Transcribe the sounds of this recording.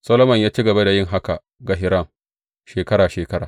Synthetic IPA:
sɐ˦loː˦mɐ˨ɲjaː˦t͡ʃi˦ɡɐ˨ba˦da˨jɪ˦ŋɦa˦ka˨ | ɡa˨ɦɪ˨ɾɐ˦˨ŋ | ʃeː˨kɐ˦ɾaː˨ʃeː˨kɐ˦ɾaː˨

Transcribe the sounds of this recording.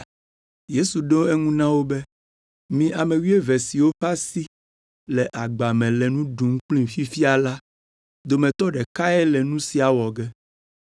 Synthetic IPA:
je˦su˨ɖo˦ɛ˦ŋũ˦nã˦wo˦bɛ˦ | mĩ˨ʔa˨mẽ˨wi˦e˦vɛ˨si˨wo˦ɸa˦si˦ | lɛ˨ʔa˨ɡ͡ba˨mɛ̃˨lɛ˨nũ˦ɖũ˨ŋ̩˦k͡plĩ˦˨fi˦fi˦a˨la˦ | d̪o˨mɛ̃˨t̪ɔ˦ɖɛ˨ka˦ɛ˦lɛ˨nũ˦si˨a˨wɔ˨ɡɛ˦

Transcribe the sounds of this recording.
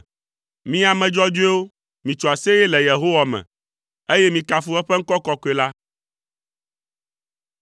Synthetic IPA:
mĩ˦a˨mɛ̃˨d͡ʒɔ˦d͡ʒu˦e˦wo˦ | mĩ˨t͡ʃɔ˨a˨se˦jɛ˦lɛ˨je˨ɦo˦wa˨mɛ̰̃˨ | e˦jɛ˦mĩ˨ka˨fu˦ɛ˦ɸɛ˦ŋ̩˦kɔ˦kɔ˦kɔ˨˦e˨la˦

